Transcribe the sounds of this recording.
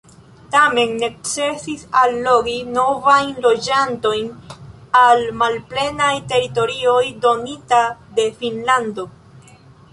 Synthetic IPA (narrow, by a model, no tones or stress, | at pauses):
tame̞nːe̞kt͡se̞sisalːo̞ɡino̞vajnlo̞d͡ʒanto̞jn | almalple̞najte̞ɾito̞ɾio̞jdo̞nitade̞finlando̞